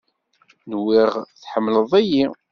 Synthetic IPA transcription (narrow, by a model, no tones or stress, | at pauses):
nwiʁθħəmːləðˤæji